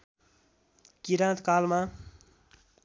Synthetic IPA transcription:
kiɾãt̪kalma

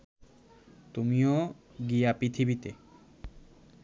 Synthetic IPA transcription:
t̪umio | ɡiapɾit̪ʰibit̪e

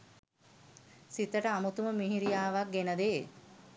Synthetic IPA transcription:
sit̪əʈəamut̪uməmiɦiɾijaːʋak̚ɡenəd̪eː

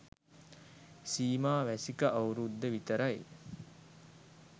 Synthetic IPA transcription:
siːmaːʋæsikəʔawɾud̪ːəʋit̪əɾaj

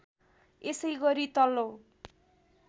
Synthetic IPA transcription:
esʌjɡʌɾit̪ʌlːo

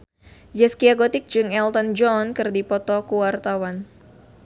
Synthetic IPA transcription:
d͡ʒɛskiaɡɔt̪ɪk̚d͡ʒɨŋɛlt̪ɔnd͡ʒɔnkɨrdipɔt̪ɔkuwart̪awan

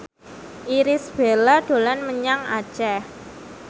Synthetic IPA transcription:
ʔiɾɪsb̥elaɖ̪̥o̤lanməɲaŋa̰t͡ʃɛ

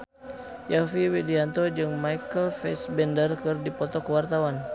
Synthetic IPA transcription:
jafiwɛdiant̪ɔd͡ʒɨŋmajkəlfɛ̰sbɛndərkɨrdipɔt̪ɔkəwart̪awan

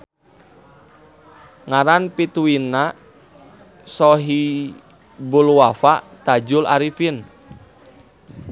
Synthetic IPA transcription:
ŋaɾanpit̪uina | sɔɦi | bulwafaʔt̪ad͡ʒʊlaɾifin

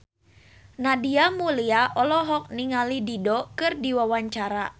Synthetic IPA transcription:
nadiamuliaʔɔlɔɦɔk̚niŋalididɔkɨrdiwawaɲt͡ʃaɾa

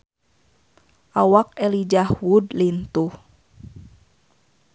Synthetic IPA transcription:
ʔawakɛlid͡ʒahwudlint̪uh

